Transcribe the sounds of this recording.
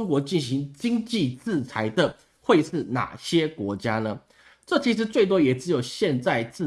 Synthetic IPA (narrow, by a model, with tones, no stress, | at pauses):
ŋkwɔ˧˥t͡ɕi˥˩nɕi˧˥˦ŋt͡ɕi˥ŋt͡ɕi˥˨t͡sɹ̩˥˩t͡sʰa˧˥ɪd̪ə˨ | xwe˥˧ɪʂɻ̩˥˩na̰˨˩ɕjɛ˦˥kwɔ˧˥t͡ɕja˥lə˨ | ʈ͡ʂɤ˥˩t͡ɕʰi˧˥ʂ̬ɻ̩˧˥t͡swe˥˩ɪt̪wɔ˥jɛ˨˩ʈ͡ʂɻ̩˧˥jo˨˩ʊɕjɛ˥˧nt͡sa˥˧ɪt͡s̩˥˩